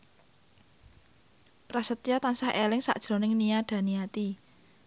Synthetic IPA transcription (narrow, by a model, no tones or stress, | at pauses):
pɾasət̪iɔt̪ansahʔelɪŋsa̰ʔd̥ʒ̥ɾo̤nɪŋnijaɖ̥ä̤niat̪i